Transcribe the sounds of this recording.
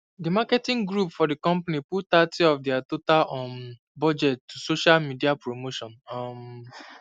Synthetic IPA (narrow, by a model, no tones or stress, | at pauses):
dimakɛtĩŋɡɹupfɔdikɔ̃mpaniputtatʰiɔfdɛatotalɔ̃n | bɔd͡ʒɛttːusoʃalmidiapɹomoʃɔ̃nɔm